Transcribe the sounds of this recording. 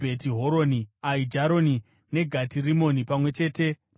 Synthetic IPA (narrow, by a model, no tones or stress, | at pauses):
betiɦoɾo̞niaid͡ʒaɾo̞ni | ne̞ɡʱatirimo̞nipamwe̞t͡ʃe̞ːte̞